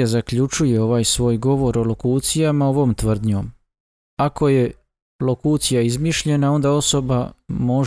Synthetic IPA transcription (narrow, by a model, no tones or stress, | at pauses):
azakʎut͡ʃuje̞o̞ʋaːjsʋo̞ːjɡo̞ʋo̞ɾolo̞kuːt̪sijamao̞ʋo̞ːmt̪ʋr̩d̪ɲo̞̰ːm | ako̞je̞ | lo̞kuːt̪sijaizmiʃʎe̞nao̞nd̪ao̞so̞bamo̞